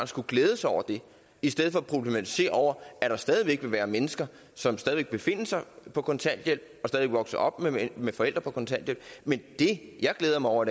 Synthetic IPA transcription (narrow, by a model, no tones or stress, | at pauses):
n̩sɡ̥uɡ̥leːð̞ˠəsɑaɒʊ̰ɐd̥e̝ | isd̥eð̰ˠfɒ̽æpʰʁob̥lemæt͡sʰi̥se̝̰ːɐɒʊ̰ɐæɾ̥ɑ̈sd̥ɛːðˠiʋeɡ̥ʋe̝ʋæːɐmenəsɡ̥ɐ | sɒ̽msd̥ɛːðˠiʋeɡ̥̚b̥e̝fe̝n̰əsɑ̈ɪpʰɒ̽kʰɒ̽nt͡sʰæn̰d̥jel̰b̥̚ɒ̽sd̥ɛðˠie̝ɡ̥ʋɒ̽ɡ̥səɒ̽b̥memefɒ̽el̰d̥ʁɐpʰɒ̽kʰɒ̽nt͡sʰæn̰d̥jelb̥mend̥e̝jɑ̈ɪɡ̥leːð̞ˠɐmɑɪɒʊ̰ɐd̥